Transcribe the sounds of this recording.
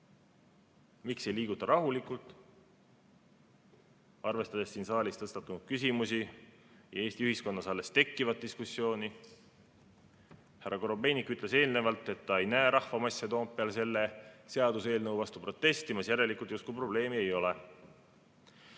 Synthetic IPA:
mikse̞jliːɡ̥ut̪ːˑɑɾɑɦulikːˑult̪ːˑ | ɑrve̞st̪ɑd̪̥e̞sːiːnsɑːlʲist̪ɤst̪ɑt̪ːˑunud̪̥kysimusi | jɑeːsʲt̪iyhisko̞nːɑsɑlːe̞st̪e̞kːivɑt̪̚d̪iskusːjo̞ːni | hærːɑko̞ɾo̞be̞jnikːˑyt̪le̞se̞ːlnevɑlt̪ːe̞t̪ːɑe̞jnæeɾʔɑhvɑmɑsʲːɑt̪o̞ːmpːiɑlse̞lːe̞se̞ɑd̪use̞ːlnɤwvɑst̪upro̞t̪ːe̞st̪imɑsjæɾe̞likˑult̪just̪kujpro̞ble̞ːmie̞jo̞le̞

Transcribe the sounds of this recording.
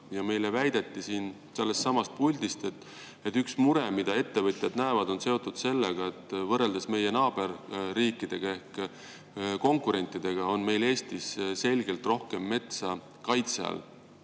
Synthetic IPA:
jɑme̞jlevæjd̪̥et̪ːisiːn | selːest̪sɑmɑst̪̚pulʲd̪ist̪et̪ːˑ | et̪ːyksmuɾemid̪̥ɑe̞t̪ːe̞vɤt̪ʲjɑd̪næevɑd̪o̞nse̞o̞t̪ːˑud̪̥se̞lːeɡ̥ɑe̞t̪ːˑvɤre̞ld̪esme̞je̞nɑːb̥e̞rːiːkːˑid̪̥e̞ɡ̥ɑe̞hk | ko̞ŋkˑuɾe̞nʲt̪ːˑid̪̥e̞ɡ̥ɑo̞nme̞jle̞ːst̪isse̞lʲɡe̞lt̪ro̞hke̞mːe̞t̪sɑ | kɑjt̪seɑ̰l

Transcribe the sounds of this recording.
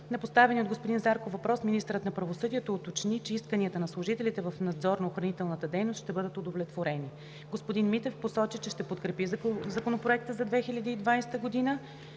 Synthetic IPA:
nɛpost̪avɛniotd̪ɡospod̪inzaɾkovɐpɾɔsminist̪ɾət̪nɐpɾɐvosɤd̪iɛt̪oːt̪ot͡ʃnit͡ʃɛiskəniət̪ənɐslˠʊʒit̪ɛlit̪ɛvɐfnɐd̪zɔɾnɐoxɾɐnit̪ɛlˠnət̪əd̪ɛjnost̪ʃt̪ɛbɤd̪ət̪od̪ovlʲɛt̪voɾɛni | ɡospod̪inmit̪ɛfposɔt͡ʃit͡ʃɛʃt̪ɛpot̪kɾɛpizɐkonopɾoɛk̚t̪əzɐd̪vɛxilʲəd̪iːd̪vajsɛ̥t̪əɡod̪inə

